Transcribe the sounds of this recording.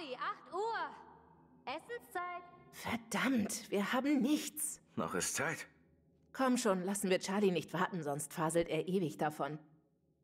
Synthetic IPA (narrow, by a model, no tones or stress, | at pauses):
iʔaχtʔuːɐ | ʔɛsn̩st͡saɪt̚fɛɐd̥amtviːɐhaːbm̩nɪçt͡snɔ̰χɪstt͡saɪt | kʰɔmʃoːnlasn̩viːɐt͡ʃaɐlinɪçtv̥aɐtn̩zɔnstfaːzl̩tʔeːɐʔeːvɪçd̥afɔn